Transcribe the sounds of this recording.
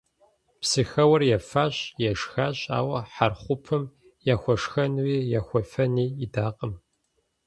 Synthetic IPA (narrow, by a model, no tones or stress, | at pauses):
psɨxɐwɐrjɛfaːɕjɛʂxaːɕʼa̰ːwɐħarχʷʊpʰɨm | jaːxʷɔʂxɐnwiːjaːxʷɔfɐniːɪdaːqʼəm